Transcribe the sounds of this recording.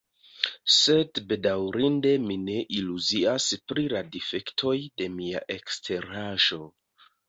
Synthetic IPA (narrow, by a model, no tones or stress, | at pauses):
se̞dbe̞dawɾinde̞mine̞ʔiluziaspɾiladife̞ktʰo̞jde̞mia̰ʔe̞kstʰe̞ɾaʒo̞